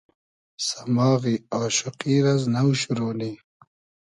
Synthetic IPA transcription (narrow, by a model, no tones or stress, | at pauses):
samɑːɣiaːʃʊqiɾaznawɕuɾoːni